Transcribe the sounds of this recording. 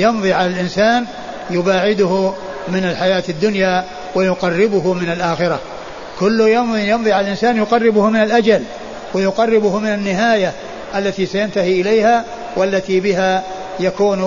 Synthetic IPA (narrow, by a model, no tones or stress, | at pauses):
jɑmðˤiːʕalalʔɪnsaːn | jʊbaːʕɪd̪ʊhʊ | mɪnalħajaːt̪ad̪ːʊnjaː | wajʊqɑrːɪbʊɦʊmɪnalʔaːxɪɾˤɑ | kʊlːʊjɑmijɑmðˤiːʕalalʔɪnsaːnjʊqɑrːɪbʊhmɪnalʔad͡ʒal | wajʊqɑrˤːɪbʊhʊmɪnanːɪɦaːja | ʔalːat̪isajant̪ahiʔɪlejha | walːat̪ibɪɦa | jakuːn